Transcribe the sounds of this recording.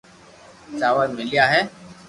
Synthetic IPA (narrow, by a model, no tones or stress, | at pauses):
t͡ʃaːʋaːimɪlɪjaːɦɛː